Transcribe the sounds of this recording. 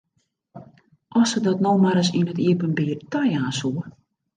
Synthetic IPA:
ʔɔsədɔtnowmaɾəsinətiəpənbiːərtajaːsuə

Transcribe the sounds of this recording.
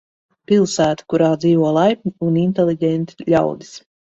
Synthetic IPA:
pilˠsæːt̪ḁkuɾaːd̪ziːvuɔlˠajp̚ʲɲʲiunint̪elˠiɟʲɛnt̪i̥ʎʲa̰wd̪i̥s

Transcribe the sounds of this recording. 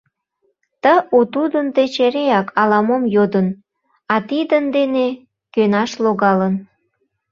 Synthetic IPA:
t̪əut̪ud̪ənt̪et͡ɕeɾeɑkʰɑlɑmomjod̪ən | ɑt̪id̪ənd̪ene | kønɑʃloɣɑlən

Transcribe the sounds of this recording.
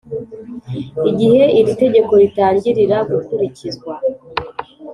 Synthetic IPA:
iɟihe̞iɾite̞ɟe̞ko̞ɾitaːɾɟiɾiɾaɡukuɾicizɡwa

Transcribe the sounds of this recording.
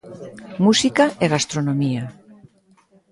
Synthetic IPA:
musikaʔeɣast̪ɾonomia

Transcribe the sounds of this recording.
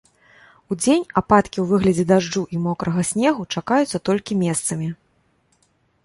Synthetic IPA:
ud͡zʲenʲapat̪kʲiwvɨɣlʲɐd͡zʲɛd̪aʐd͡ʐuʔimɔkɾɐɣɐsʲnʲɛɣut͡ʂakajut̪sːɐt̪ɔlʲkʲimʲɛst̪sɐmʲi

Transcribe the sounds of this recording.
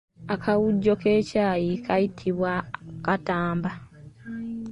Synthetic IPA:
akʰawuɟːo̞ke̞ːcaːjikʰajitʰiβwakataːmba

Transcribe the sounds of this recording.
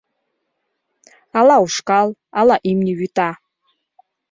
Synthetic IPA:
alauʂkalˠalaʔimnʲiɥyt̪ʰa

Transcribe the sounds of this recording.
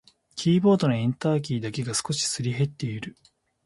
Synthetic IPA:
kʲʰiːbo̞ːd̪o̞noẽ̞nt̪aːkʲiːd̪ake̞ɡasɨ̥ko̞ɕi̥sɨɾʲiɦe̞t̪ːe̞iɾɯ̟

